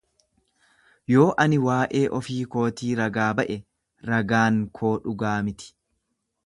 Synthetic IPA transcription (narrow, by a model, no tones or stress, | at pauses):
jo̞ːʔɐnɪwaːʔeːʔɔfiːko̞ːt̪iːɾɐɡaːbɐʔɛ | ɾɐɡaːŋkʰo̞ːᶑʊɡaːmɪt̪ɪ̥